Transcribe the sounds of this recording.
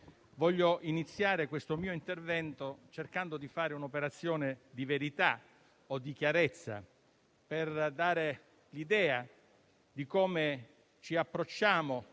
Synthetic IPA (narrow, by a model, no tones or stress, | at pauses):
vɔʎːoʔinit̪sːjaːɾekwest̪omiːoint̪ervɛnt̪ot͡ʃerkand̪od̪ifaːɾeunopeɾat̪sːjoːned̪iveɾit̪a | od̪ːikjaɾɛt̪sːa̰ | perd̪aːɾe | lid̪ɛːa | d̪ikoːme | t͡ʃiapːɾot͡ʃːaːmo